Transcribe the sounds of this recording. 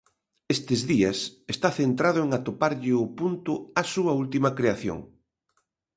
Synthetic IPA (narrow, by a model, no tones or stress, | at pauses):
est̪ɪzðiɐsest̪aθent̪ɾaðʊeŋat̪opaɾʎɪʊpunt̪ʊasuɐult̪imɐkɾeaθjo̰ŋ